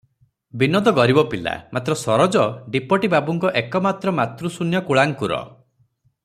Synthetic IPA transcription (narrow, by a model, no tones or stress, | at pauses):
binɔd̪ɔɡɔɾibɔpila̰mat̪ɾɔsɔɾɔd͡ʒɔɖipɔʈibabuŋkɔʔekɔmat̪ɾɔmat̪ɾusunjɔkuɭaŋkuɾɔ̰